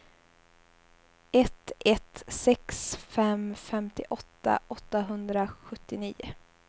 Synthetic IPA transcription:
ɛt̪ɛt̪sɛksfɛmfɛmt̪ɪʔɔt̪ːa̰ʔɔt̪ːaɦɵnd̪ɾaɧɵt̪ːɪniːʊ̰

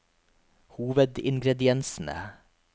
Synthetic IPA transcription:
huːʋəd̪ɪ̰ŋɡɾɛd̪ɪɛnsn̩ə̰

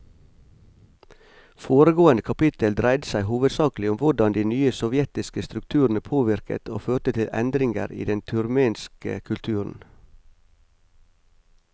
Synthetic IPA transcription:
foːɾəɡoːənəkʰɑpɪt̪əld̪ɾæɪd̪əsæɪɦuːʋəd̪sɑːklɪʊmʋʊɖɑnd̪iːnyːəsɔʋjɛt̪ɪskəst̪ɾʉk̚t̪ʰʉːɾn̩əpʰoːʋɪɾkə̰t̪ʰoːføːt̪ət̪ʰɪlʔɛ̰nd̪ɾɪŋɡə̰ɾḭːd̪ɛnt̪ʰʉɾmeːnskə̰kʰʉlt̪ʰʉːɾn̩

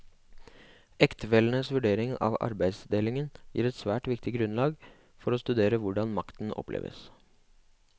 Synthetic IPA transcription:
ɛkt̪əʋɛlnəsʋʉɖeːɾɪŋɑ̰ʋɑ̰ɾbæɪd̪sd̪eːlɪŋənjiːɾɛt̪sʋæːʈʋɪkt̪ɪɡɾʉnlɑːɡ | fɔɾoːst̪ʉd̪eːɾəʋʊɖɑnmɑkt̪n̩ʔɔ̰plʔḛːʋə̰s

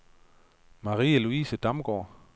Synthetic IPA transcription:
mɑ̈ʁḭːəluiːsəd̥ɑmɡ̥ɔ̰ː

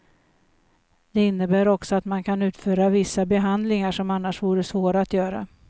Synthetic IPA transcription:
d̪̥ɛɪnːəbæːɾɔksɔat̪mankʰanʉ̟ːt̪fœːɾavɪsːabɛɦand̪lɪŋaʂɔmanːaʂvuːɾəsvoːɾaːt̪jœːɾa̰

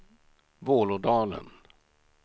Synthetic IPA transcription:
voːlʊɖ̪ɑːlə̰n

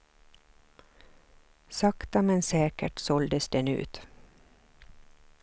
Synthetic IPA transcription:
sakt̪amɛnsɛːkəʈsɔld̪əsd̪ɛnʉ̰ːt̪

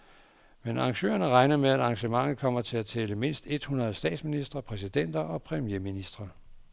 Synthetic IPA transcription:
menɑ̈ŋɕø̰ːɐnəʁɑ̈ɪnɐmeæd̥ɑ̈ŋɕəmɑ̈ŋ̰ð̩ˠkʰɒ̽m̰ɐt͡sʰe̝æt͡sʰɛːləme̝n̰sd̥e̝d̥hunʁɐð̞̩ˠsd̥ɛ̰ːd̥sminisd̥ʁɐpʰʁɛs̬id̥en̰d̥ɐʔɒ̽pʰʁɛmjeminisd̥ʁɐ

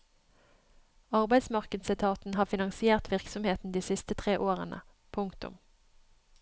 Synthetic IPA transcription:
ɑʁbæɪsmɑʁkəd̪sɪt̪ʰɑːt̪n̩hɑːfɪnɑŋsɪeːʁt̪ʰʋɪʁksɔmheːt̪n̩d̪iːsɪst̪ət̪ʰʁeːʔoːʁə̰nʔə̰ | pʰʊŋkt̪ʊ̰m

